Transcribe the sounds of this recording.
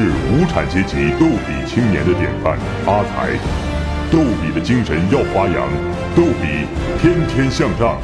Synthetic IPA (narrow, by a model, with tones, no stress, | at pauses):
ɻ̩˥˩u˧˥ʈ͡ʂʰa˨˩nt͡ɕjɛ˧˥t͡ɕi˧˥t̪o˥˩ʊpḭ˨˩t͡ɕʰi˥ŋnjɛ̰˧˥nd̪ə˧t̪jɛ̰˨˩nfa̰˥˩n | a˥t͡sʰa̰˧˥ɪ | t̪o˥˩ʊpi˨˩d̪ə˦t͡ɕi˥ŋʂə˧˥njɑ˥˩ʊfa˥jɑ̰˧˥ŋ | t̪o˥˩ʊpi˨˩˦t̪ʰjɛ˥nt̪ʰjɛ˥nɕjɑ˥˧ŋʈ͡ʂɑ̰˥˩ŋ